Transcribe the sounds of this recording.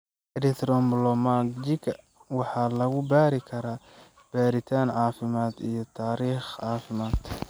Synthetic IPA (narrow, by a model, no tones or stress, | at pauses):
ɛlɛkt̪ʰɾɔmblɔmad͡ʒɪkɐ | wɑħɑːlɐɣʊbaːɾɪkʰɐɾaː | b̥aːɾɪt̪ʰaːnʕɑːfɪmaːd̪ijɞt̪ʰaːɾiːχʕɑːfɪmaːd̪̥